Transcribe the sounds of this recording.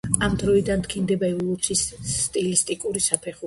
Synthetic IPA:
amd̪ɾɔid̪ant̪kʰind̪ɛbaɛvɔlˠut̪sʰisːt̪ʼilist̪ʼikʼuɾisapʰɛχu

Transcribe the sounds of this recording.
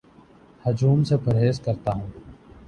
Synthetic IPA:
hɐd͡ʒuːmsepʰɐɾɦeːskɐɾt̪aɦũː

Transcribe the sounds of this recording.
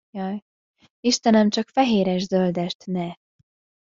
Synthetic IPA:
jɒj | iʃt̪ɛnɛmt͡ʃɒkfɛɦeːɾɛʒzøld̪ɛʃt̪nɛ

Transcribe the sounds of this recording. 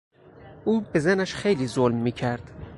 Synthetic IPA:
ʔuːbe̞zænæʃxejliːzolmːiːcʰæɾd̪̥

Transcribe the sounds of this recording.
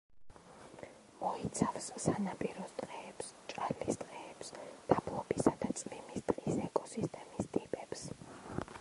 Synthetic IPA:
mɔit̪sʰafsːanapʼiɾɔst̪ʼqʼɛːpst͡ʃʼalist̪ʼqʼɛɛpsd̪̥ablˠɔbisad̪at̪sʼmimist̪ʼqʼisɛkʼɔsist̪ʼɛmist̪ʼipʼɛps

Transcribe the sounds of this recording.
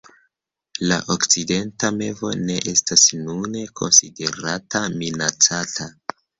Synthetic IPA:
laʔokt͡side̞ntame̞vo̞̰ne̞ʔe̞stasnune̞kʰo̞̰nside̞ɾataminat͡satʰa

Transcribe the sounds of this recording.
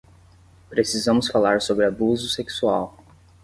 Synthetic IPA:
pɾesizɐ̃mʊsfalaɾsobɾɪabuzʊseksuaw

